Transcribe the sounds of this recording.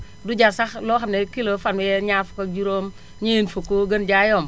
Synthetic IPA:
duɟasaxloːxanekilofanwɛɲafkad͡ʒuɾoːm | ɲenfokoɡənd͡ʒajom

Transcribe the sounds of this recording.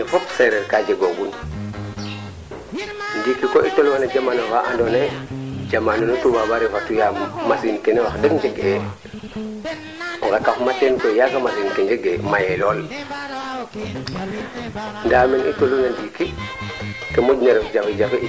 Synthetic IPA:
fopseɾeɾkad͡ʒeɡoɡun | ndikikoʔitolmanad͡ʒamanofaʔa̰ndonajd͡ʒamanonutubabaɾefatujammasinkenewaxdeɡɲd͡ʒeɡe | ŋɡakafmatenkojakamasinkeɲd͡ʒeɡemajeloːl | ndaːmenitolunandiki | kemoɟnaɾefd͡ʒafed͡ʒaf

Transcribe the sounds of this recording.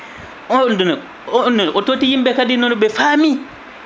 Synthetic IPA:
ndun | nunototijimbekadinonubefami

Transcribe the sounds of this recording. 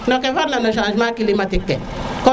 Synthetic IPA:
nɔkɛfaɾnanɔʃãːʃmakilimatɪkːɛ | kɔ

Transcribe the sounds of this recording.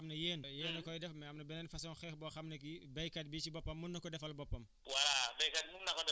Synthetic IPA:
mnɐjeːnjeːnɐkɔjdɛfmɛɐmnɐbɛnɛnfɐsɔːnxɛːxbɔxɐmnɐkibɐjkɐt̚biːt͡ʃibɔpːɐmːunːɐkɔdɛfɐlbɔpːɐm | waɾabɐjkɐt̚munnɐkɔdɛ

